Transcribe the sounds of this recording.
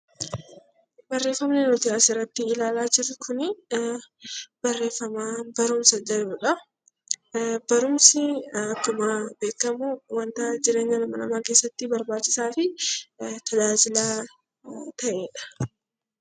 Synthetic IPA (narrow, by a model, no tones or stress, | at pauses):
bɐrːe̞ːfːɐmnɛnɔt̪ɪaːsɪɾːɐt̪ːɪɪlaːlaːd͡ʒɪɾɪkʰʊnɪ | b̥ɐrːe̞ːfːɐmaːbɐɾʊmsɐd͡ʒɐlʊᶑɐ | bɐɾʊmsɪɐkːʊmaːbe̞ːkːɐmuwɐnt̪ɐd͡ʒɪɾe̞ːɲːɐnɐmɐnɐmaːkeːsːɐt̪ːɪbɐɾbaːt͡ʃːɪsaːfɪ | t̪ʰɐd͡ʒaːd͡ʒɪlaː | t̪ɐʔeːᶑɐ̥